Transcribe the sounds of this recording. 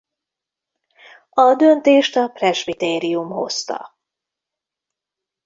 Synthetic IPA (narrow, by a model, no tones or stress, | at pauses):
ɒd̪ønt̪eːʃt̪ɒprɛʃbit̪eːɾiumho̞̰st̪ɒ̰